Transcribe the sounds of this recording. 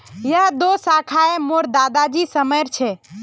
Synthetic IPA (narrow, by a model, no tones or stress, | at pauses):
jəɦd̪osakʰaemoɾd̪ad̪ad͡ʒisəməjɾt͡ʃʰɛ